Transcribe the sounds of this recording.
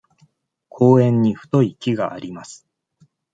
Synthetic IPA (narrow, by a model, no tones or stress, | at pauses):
kʰo̞ːẽ̞ɲ̟ːiɸɯ̟̥t̪o̞ikʲiɡaʔaɾʲimasɨ̥